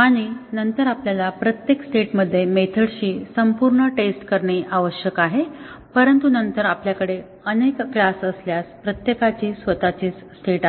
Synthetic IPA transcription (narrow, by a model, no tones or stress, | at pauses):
aɽ̃inənt̪əɾapljalapɾət̪jeksʈeʈməd̪ʱːjemet̪ʰəɽɕiːsəmpuɾɳəʈesʈkəɾɳeʔaʋəɕjəkaɦepəɾənt̪unənt̪əɾapljakəɽe | ənekkɭasəsljaspɾət̪jekat͡ɕiːsʋət̪at͡ɕiːt͡sːʈʰeʈa